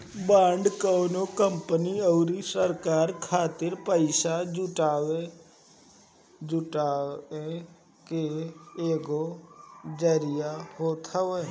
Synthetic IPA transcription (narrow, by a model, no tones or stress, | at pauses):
bãːɳɖkəːnoːkəmpəniːəːɾiːsəɾkaːɾkʰaːt̪ɪɾpəɪsaːd͡ʒʊʈaːʋeː | d͡ʒʊʈaːeː | keeːɡoːd͡ʒəɾɪjaːhoːt̪ʰaʋeː